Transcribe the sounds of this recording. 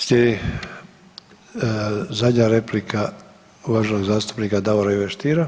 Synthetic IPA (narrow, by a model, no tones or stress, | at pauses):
sʎʲed̪i | zad̪ɲaɾeplika | uʋaʒenoɡzaːst̪u̥pnikad̪aʋoɾaiʋeʃt̪iːɾa